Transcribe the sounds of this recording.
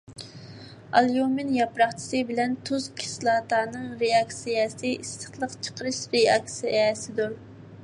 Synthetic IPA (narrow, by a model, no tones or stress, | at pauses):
ɑlˠjumɪnjɑpɾɑχt͡ʃʰi̥sɨbɪlɛnt̪ʰuzkʲʰi̥slˠɑt̪ɑːnɨŋɾeɑksijɛsɨist̪ə̥χlˠəqt͡ʃʰə̥qʰəɾɨʃɾeɑksiʔɛsɪd̪uɾ